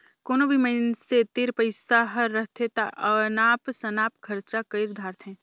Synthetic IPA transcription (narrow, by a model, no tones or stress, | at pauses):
koːnobʱiməɪnset̪ɪɾpəɪsaɦɐɾːɐɦt̪ʰet̪aʔɐnaːpsɐnaːpkʰɐɾt͡ʃakəɪɾd̪ʱaːɾt̪ʰɦɛ̃ː